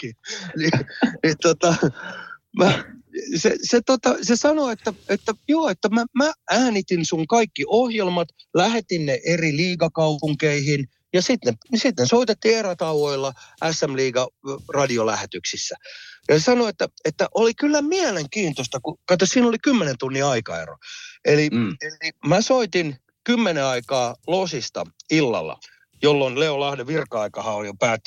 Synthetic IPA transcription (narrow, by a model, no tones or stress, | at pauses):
ninit̪ot̪ɑ | mæseset̪ot̪ɑsesɑnoet̪ːæet̪ːæjoːet̪ːæmæmæʔæːnit̪insuŋkɑikːiʔohjelmɑt̪læhet̪inneʔeriliːɡɑkɑupuŋkeihin | jɑsit̪nesit̪nesoit̪et̪ːieræt̪ɑwoilːɑæsːæmliːɡɑrɑdiolæhet̪yksisːæjɑesɑnoet̪ːæet̪ːæʔolikylːæmiæleŋkiːnt̪ost̪ɑkukɑt̪ːossiːnolikymːenent̪unːiɑikɑ̰ḛro̰elielimæsoit̪in | kymːeneɑikɑːlosist̪ɑ̰ilːɑ̰lːɑ̰ | jolːonleolɑhdeʋirkɑikɑhɑoljopæːt̪ː